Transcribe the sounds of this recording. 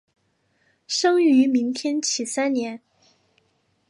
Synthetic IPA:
ʂɤ˥ŋy˧˥mi˧˥ŋt̪ʰjɛ˥nt͡ɕʰi˨˩sa˥nnjɛ˧˥n

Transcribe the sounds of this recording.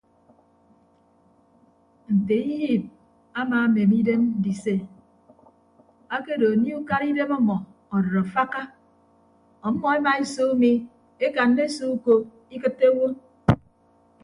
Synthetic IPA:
n̩˨te˨i˦ji˦˨p̚ | a˦maː˨˦me˨mi˦de˦m̩˦di˨se˦ | a˦ke˦do˨ni˦u˦ka˦ɾi˦de˦mɔ˦mɔ˨ | ɔ˨do˨ɾo˨fa˦ka˦ | ɔ˨˦mɔ˦e˦ma˨e˦so˦mi˦ | e˦ka˨n˦de˦so˦u˦ko˨ | i˦kɨ˦tːe˦wo˦

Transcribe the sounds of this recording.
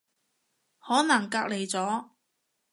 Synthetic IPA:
hɔː˨˥nɐ˨˩ŋkaː˧k̚le˨˩jt͡sɔː˨˥

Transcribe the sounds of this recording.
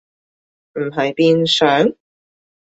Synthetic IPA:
m̩˨˩ɦɐ˨jpiː˧nsœː˨˥ŋ

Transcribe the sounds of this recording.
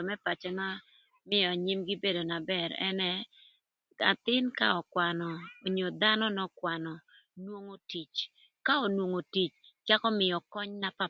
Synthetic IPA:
o˨mɛ˦pa˨t͡ʃɛ˦ma˦ | mɪ˦jɔ˨a˨ɲi˦mɡi˦be˦do˨na˨bɛ˨ɾɛ̰˦nɛ˦ | a̰˨t̪ɪ˦nka̰ɔ˨kwa˨nɔ˨o˨ɲo˨d̪a˦nɔ˦nɔ˦kwa˨nɔ˨ | nwo˦ŋo˦ti˨t͡ʃ | ka˦o˨nwo˨ŋo˨ti˨t͡ʃt͡ʃa˦kɔ˦mɪ˨jɔ˨kɔ˦ɲna˦pa˦

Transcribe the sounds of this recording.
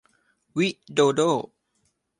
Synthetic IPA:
wi˦˥ʔdoː˧doː˥˩

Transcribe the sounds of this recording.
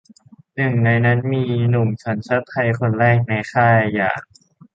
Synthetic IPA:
nɯ˨˩ŋna˧jna˦˥nmiː˧nu˨˩ŋt͡ɕʰa˦˥nt͡ɕʰa˦˥t̪ʰːa˧jkʰo˧nɾɛː˥˩k̚na˧jxʰaː˥˩a˧jːa̰ː˨˩ŋ̚

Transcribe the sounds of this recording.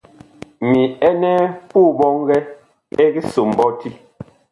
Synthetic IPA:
mi˨ɛ˦nɛ˦pu˦˨bɔ˦ŋ˦ɡɛ˦ | e˦ɡi˦so˨m˨bɔ˦ti˦

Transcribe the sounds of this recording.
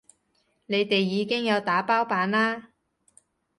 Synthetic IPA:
ne˨˧jt̪e˨jːiː˨˧kɪ˥ŋjɐ˨˧wt̪aː˨˥paː˥wpaː˨˧nlaː˥

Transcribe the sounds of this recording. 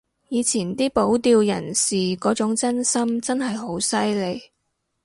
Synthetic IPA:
jiː˨˧t͡sʰiː˨˩nt̪iː˥po˨˥wt̪iː˧wjɐ̰˨˩nsiː˨kɔː˨˥t͡sʊ˨˥ŋt͡sɐ˥nsɐ˥mt͡sɐ˥nɦɐ˨jɦo˨˥wsɐ˥jle˨˧j

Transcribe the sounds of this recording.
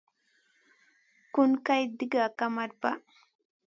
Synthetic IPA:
kʊnka˦jd̪i˦ɡa˨kamaɾba˦

